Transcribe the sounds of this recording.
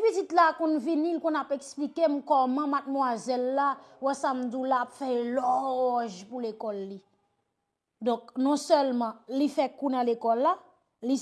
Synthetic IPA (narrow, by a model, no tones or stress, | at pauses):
vitit̪lakũnvinilkũnapeksplikemkɔmãmat̪̚mwazɛlːawɛsam̩d̪ulaːpfɛelɔʒpulekɔlːi | d̪ɔ̃k̚nɔ̃sœlmʌ̃lifɛkunãlekɔlːa | li